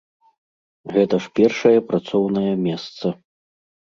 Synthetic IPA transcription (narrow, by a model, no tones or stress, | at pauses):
ɣɛt̪ɐʂpʲɛrʂɐjɐpɾat̪sɔwnɐjɐmʲɛst̪sɐ